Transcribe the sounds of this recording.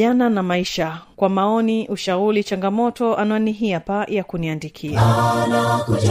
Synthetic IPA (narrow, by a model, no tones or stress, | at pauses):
ananamaiʃakwamaɔniʔuʃaulit͡ʃaŋɡamɔtɔʔanaɔniɦiapajakuniandikʰiaanak